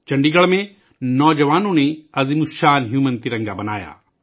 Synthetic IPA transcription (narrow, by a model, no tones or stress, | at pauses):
t͡ʃɐ̃ɳɖiɡɐɭmẽ | nɔːd͡ʒɐʋaːnõnẽɐzimuʃaːnɦjuːmə̃nt̪ɪɾɐ̃ŋɡabɐna̰ːja̰ː